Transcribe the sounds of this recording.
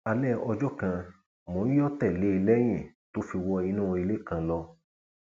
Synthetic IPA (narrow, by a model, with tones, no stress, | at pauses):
a˧lɛ˦ɔ˧d͡ʒɔ˦kã˧ | mõ˨˦ĩ˦jɔ˦tɛ˦˨le˨˦i˧lɛ˦j̃ĩ˦˨to˦fi˧wɔ˧i˧nũ˦õ˧i˧le˦kã˧lɔ˧